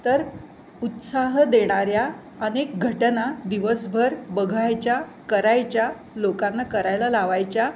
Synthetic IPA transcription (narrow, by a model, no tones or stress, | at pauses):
t̪əɾ | ut̪saɦd̪eɽ̃aɾja | ənek̚ɡʱəʈnad̪iʋəsbʱəɾbəɡʱajt͡ɕja | kəɾajt͡ɕja | lokãnːakəɾajlalaʋajt͡ɕja